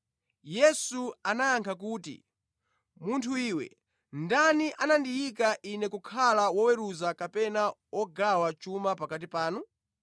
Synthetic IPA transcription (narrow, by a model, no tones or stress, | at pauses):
jɛsuanaːŋkʰak̬uːtḭ | muntʰuiːwɛ̰ | ndaniʔanandijik̬aʔinɛkukʰalawɔwɛɾuzakapɛnawɔɡawat͡ʃumapakat̬ipaːnu